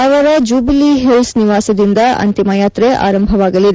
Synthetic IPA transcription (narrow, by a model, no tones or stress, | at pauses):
ɐʋɐɾɐd͡ʒuːbiliɦelsniʋaːsɐd̪ind̪ɐɐ̰nt̪imɐjaːt̪ɾeʔa̰ːɾɐmbʱɐʋaːɡɐlid̪e